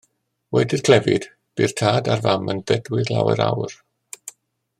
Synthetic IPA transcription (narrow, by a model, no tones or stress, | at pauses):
wɛdɪrkʰl̥ɛvɪd̥ | b̥ir̥tʰaːdarvamənðɛdwɪdlˠa̰wɛ̰ɾa̰wr